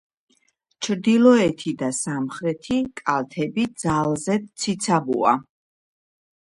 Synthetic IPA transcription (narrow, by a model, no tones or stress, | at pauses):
t͡ʃʰɾd̪ilɔɛt̪ʰid̪asamχɾɛt̪ʰikʼalˠt̪ʰɛbid̪zalˠzɛt̪sʰit̪sʰabṵa̰